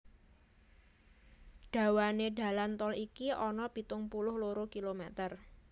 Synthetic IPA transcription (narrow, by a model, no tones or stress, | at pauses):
ɖ̥a̤waneɖa̤lant̪ɔlikiʔɔnɔb̥i̤t̪ʊŋpulʊhluɾokilomɛt̪ər